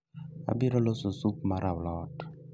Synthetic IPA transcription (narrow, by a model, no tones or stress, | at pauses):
a̰biɾɔlososuk̚maɾawlɔt